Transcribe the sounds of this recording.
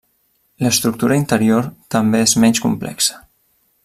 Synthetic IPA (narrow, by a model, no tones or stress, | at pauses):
ləst̪ɾuk̚t̪uɾəint̪əɾioɾt̪əmbeezmɛnʲskumplɛ̰ksə̥